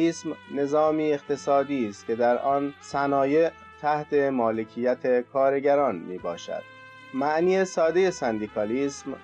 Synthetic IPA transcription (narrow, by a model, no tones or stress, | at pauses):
iːsmne̞zɒːmiːeqt̪e̞sɒːd̪iːst̪̚kʲʰe̞d̪æɾʔɒːnsænɒːje̞ | t̪ʰæht̪ʰe̞mɒːle̞cʰijæt̪ʰe̞kʰɒːɾe̞ɟæɾɒːnmiːbɒːʃæ̰d̪̥̚ | mæʔniːesɒːd̪e̞je̞sænd̪iːkʰɒːliːsm